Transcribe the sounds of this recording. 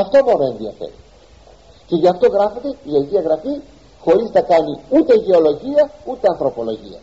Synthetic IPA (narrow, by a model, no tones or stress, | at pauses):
ɐft̪o̞monoe̞nðiɐ̰fḛɾḭ | ce̞ʝɐft̪o̞ɣɾɐfond̪e̞iɐʝiɐɣɾɐfi | xo̞ɾiznɐkɐniut̪e̞iʝe̞o̞lo̞ʝiɐut̪e̞ɐnθɾo̞po̞lo̞ʝḭɐ̰